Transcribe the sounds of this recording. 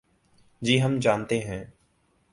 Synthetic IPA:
d͡ʒiːɦəmd͡ʒaːnt̪eɦɛ̃ː

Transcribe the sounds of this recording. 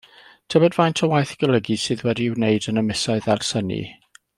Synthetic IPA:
tʰəbɔdvajntʰɔwajθɡ̥əlˠəɡisɨːðwɛdiwneɨdənəmɪsɔɨðarsənḭ

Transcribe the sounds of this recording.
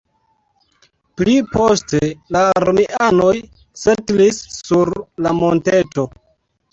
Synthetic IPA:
plipo̞ste̞laːɾmiʔano̞j | setlisːuɾlamo̞nte̞to̞

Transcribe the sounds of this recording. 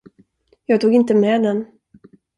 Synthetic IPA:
jɑːɡ̚t̪ʰuːɡɪnt̪əmɛːd̪ɛn

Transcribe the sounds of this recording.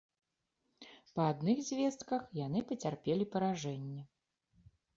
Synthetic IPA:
pɐad̪nɨɣzʲvʲɛst̪kɐxjanɨpɐt͡sʲarpʲɛlʲipɐɾaʐɛnʲːɛ

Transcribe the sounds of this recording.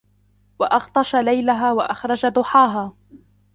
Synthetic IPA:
waʔɑɣt̪ˤɑʃalajlaɦaːwaʔaxɾˤɑd͡ʒad̪ʊħaːɦaː

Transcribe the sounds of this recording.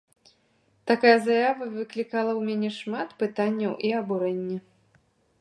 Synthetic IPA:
t̪akajɐzajavɐvɨklʲikalˠɐwmʲanʲɛʂmat̪pɨt̪anʲːɐwʔiɐbuɾɛnʲːɐ

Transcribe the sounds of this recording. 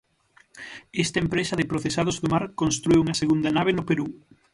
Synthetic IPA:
ɛst̪ɐempɾesɐðɪpɾoθesað̞ozðomaɾkonst̪ɾuiwuŋɐseɣund̪ɐnaβ̞eɪnʊpeɾu

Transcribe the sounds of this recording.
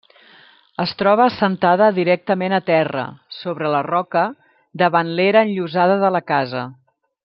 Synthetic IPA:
əst̪ɾɔβ̞əsənt̪aðəðiɾɛk̚t̪əmenət̪ɛrə̰soβɾələrɔkə | d̪əβanleɾəːnʎuzaðəðələkazə

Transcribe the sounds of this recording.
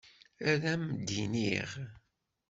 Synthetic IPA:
æðæmd̪ːiniʁ

